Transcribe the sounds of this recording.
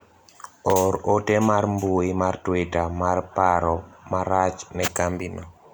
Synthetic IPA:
ɔɾotɛmarmboimartwetamarpaɾɔmaɾat͡ʃnɛkambinɔ

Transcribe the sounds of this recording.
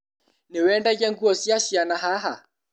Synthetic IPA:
nɛwɛndaɡaŋɡuɔsiaʃianaɦaɦa

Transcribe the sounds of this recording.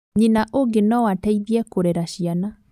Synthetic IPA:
ɲinaʔoɡenɔwatɛiðiɛkoɾɛɾaɕiana

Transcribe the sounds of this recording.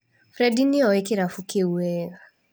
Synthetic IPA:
fɾɛdiniɔekiɾafukeuɛːɣa

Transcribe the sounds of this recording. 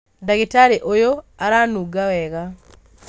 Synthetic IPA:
daɣitaɾiʔojoaɾanuɡawɛɣa

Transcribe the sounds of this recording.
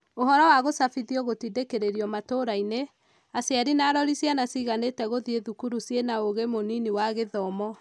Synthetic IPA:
oɦɔɾɔwaɣosafiðiɔɣotidekeɾeɾiɔmatoɾaine | asjaɾinaːɾɔɾisjanasiɣanetɛɣoðieðukuɾusjenaoɣemoniniwaɣeðɔmɔ

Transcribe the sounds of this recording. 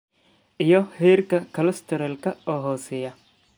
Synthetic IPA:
ʔɪjɔhɛːɾkɐkʰɐlɐst̪ʰɛɾɐlkʰɐɔːɦɔːsɛjɐ

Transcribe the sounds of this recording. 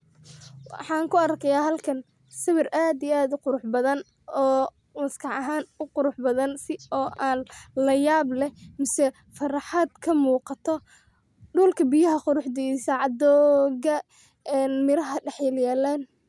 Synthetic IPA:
wɑ̰ħɑːŋkʰʊɐrkʰɛjaːɦɐlkʰɐn | sɐβɪrʔaːd̪iaːd̪ʊqʊɾʊħbɐðɐn | ɔː | mɐskʰɑʕɐɦaːnʊqʊɾʊħbɐðɐnsɪɔːʔaːnlɐjaːblɛmɪsɛ | fɐrɑħad̪kʰɐmuːqɑt̪ʰɔ | ɖuːlkʰɐbɪjɐɦɐqʊɾʊħd̪iːsɐʕɑd̪ɔːɣɐ | ɛːnmɪɾɐɦɐɖɛħjɛljaːlaːn

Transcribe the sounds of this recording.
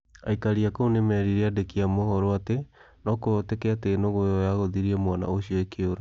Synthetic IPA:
a̰ikaɾiakounemɛɾiɾeadekiamohɔɾoate | nɔkootekɛateːnoɣojɔjaɣoðiɾiɛmwana̰oɕioekeoɾa

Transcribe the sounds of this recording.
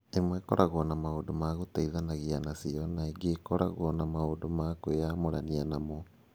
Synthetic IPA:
emwɛkɔɾʔaɣɔnamaodomaɣotaiðanaɣianasiɔnaeɡeːkɔɾa̰ɣwɔnamaodomaːkoeamoɾanianamɔ

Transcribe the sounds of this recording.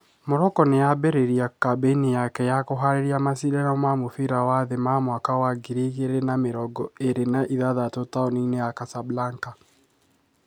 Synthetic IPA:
moɾɔkɔnejabɛɾeɾiakabenijakɛjakoɦaɾeɾiamasiɾɛnɔmamofiɾawaðemamwakawaɡiɾiɣeɾenameɾɔɡɔeɾenaʔiðaðatotaoninejakasablaŋka

